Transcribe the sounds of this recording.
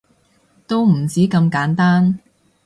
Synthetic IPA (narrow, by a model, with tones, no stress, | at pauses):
t̪o˥wm̩˨˩t͡siː˨˥kɐ˧mkaː˨˥nt̪aː˥n